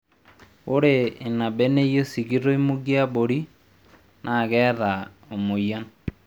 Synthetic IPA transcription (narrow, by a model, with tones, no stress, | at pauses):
o˦ɾeː˨na˨bɛ˦ne˦jo˦si˨ɡi˦ɾo˦i˦mu˦ɡi˦a˦bo˨ɾi˦ | nʔa˨kɛ˦ða˨ | o˨mo˨ja˦n